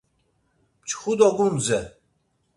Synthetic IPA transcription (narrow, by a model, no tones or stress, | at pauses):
mt͡ʃʰχud̪ɔɡumzɛ